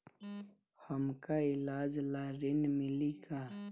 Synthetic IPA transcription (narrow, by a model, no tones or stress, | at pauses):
həmkaɪlaːd͡ʒlaːɾɪnmɪliɡaː